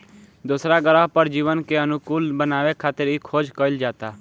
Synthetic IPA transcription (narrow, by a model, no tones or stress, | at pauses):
d̪ʊsɾaːɡəɾaːpəɾd͡ʒiːʋənkeənʊkʊːlbənaːʋekʰaːt̪əɾiːkʰoːd͡ʒkəɪld͡ʒaːt̪aː